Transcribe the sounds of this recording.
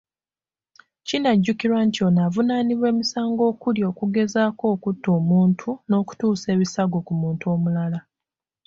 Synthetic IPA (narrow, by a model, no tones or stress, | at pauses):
cinaɟːukiɾwantio̞navunaniβwe̞ːmisaːŋɡo̞ːkuljo̞ːkuɡe̞zaːko̞ːkutːo̞ːmuːntʰuno̞ːku̥tuːse̞ːβisaɡo̞kumuːntuo̞ːmulala